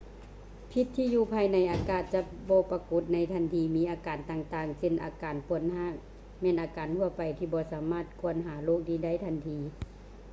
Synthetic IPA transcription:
pʰi˧t̪ʰːiː˧˨juː˧˩pʰaː˧jna˧˥jʔaː˨˧kaː˧˩t̪̚t͡ɕa˧bɔː˧˦pa˧ku˧˦t̪̚na˧˥jt̪ʰa˧˥˨nt̪ʰiː˧˦miː˧˦ʔaː˨˧kaː˨nt̪aː˧ŋt̪aː˧ŋse˧˩nʔaː˨˩kaː˨npʰu˧˩ənhaː˧˥˩ | mɛː˧˨nʔaː˨˧kaː˨nt̪ʰu˧ɐpa˨˩jt̪ʰiː˧˩bɔː˧˦saː˨˦maː˧˥˩t̪̚kʰu˧˥ənɦaː˩˦loː˥˩˨k̚diː˧˩da˧˥˩jt̪ʰa˧˥nt̪ʰiː˧

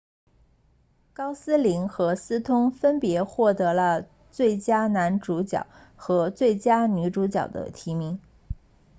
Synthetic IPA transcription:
kɑ˥ʊsɹ̩˥li˧˥ŋxɤ˧˥sɹ̩˥t̪ʰʊ˥ŋfə˥npjɛ˧˥xwɔ˥˩t̪ɤ˧˥lə˧ | t͡swe˥˩ɪt͡ɕja˥na˧˥nʈ͡ʂu˧˥t͡ɕjɑ̰˨˩ʊ | xɤ˧˥t͡swe˥˩ɪt͡ɕja˥ny˧˥ʈ͡ʂu˧˥t͡ɕjɑ˨˩ʊd̪ə̰˦t̪ʰi˧˥mi˧˥ŋ

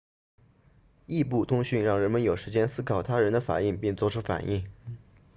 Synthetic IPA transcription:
i˥˧pu˥˩t̪ʰʊ˥ŋɕy˥˧nɻɑ˥˩ŋɻə˧˥nmə˧njo˨˩ʊʂɻ̩˧˥t͡ɕjɛ˥nsɹ̩˥kʰɑ˨˩ʊt̪ʰa˥ɻə˧˥nd̪ə˧fa̰˨˩i˥˩ŋpi˥˧ŋt͡swɔ˥˩ʈ͡ʂʰu˥fa̰˨˩nʔi˥˩ŋ

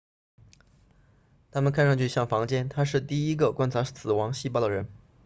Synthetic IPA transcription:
t̪ʰa˥mə˨nkʰa˥˧nʂɑ˥˧ŋt͡ɕʰy˥˧ɕjɑ˥˩ŋfɑ˧˥ŋt͡ɕjɛ˥nt̪ʰa˥ʂɻ̩˥˧t̪i˥˩i˥ɡə˧kwa˥nt͡sʰa˧˥sɹ̩˨˩wɑ˧˥ŋɕi˥˧pɑ˥˩ʊd̪ə˩ɻə˧˥n

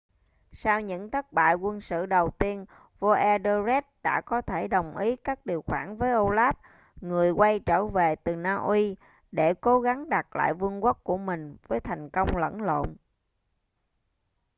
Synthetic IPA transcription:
saː˧wɲɨ̰˧˥ŋt̪ʰə˦˥t̚ɓa̰ː˧˨jkwə˧nsɨ̰˧˨ɗə˨˩wt̪i˧ən | vo˧ʔɛ˧ɗə˧zɛ˦˥t̚ɗa̰ː˧˥kɔ˨˦t̪ʰe˧˩ɗə˨˩wŋ͡mʔi˨˦kaː˦˥k̚ɗi˨˩əwxwaː˧˩nvəː˨˦jʔo˧laː˦˥p̚ | ŋɨ˨˩əjkwa˧jt͡ɕəː˧˩ve˨˩t̪ɨ˨˩naː˧ʔwi˧ | ɗe˧˩ko˨˦ɣa˨˦ŋɗa˨˩t̚la̰ː˧˨jvɨ˧əŋka˦˥k̚ku˧˩əmï˨˩ŋ̟vəː˨˦jt̪ʰa˨˩jŋ̟kə˧wŋ͡mlə̰˧˥nlo̰˧˨n

